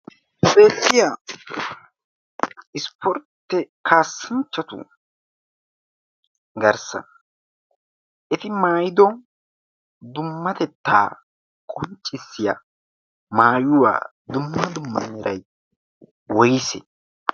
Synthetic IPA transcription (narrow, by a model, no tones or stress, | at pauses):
be̞ːt̪ːɪja | ɪspʰɔɾt̪ːɛkʰaːsːɪnt͡ʃːɐt̪ʊ̰ | ɡɐɾsɐ̰n | ʔɛt̪ɪmaːjɪd̪ɔ | d̪ʊmːɐt̪ɛt̪ːa̰ː | kʼɔnt͡ʃʼːɪsːɪjɐ̰ | maːjʊwa̰ː | d̪ʊmːɐd̪ʊmːɐ̰nɛɾɐj | wɔjɪsɛ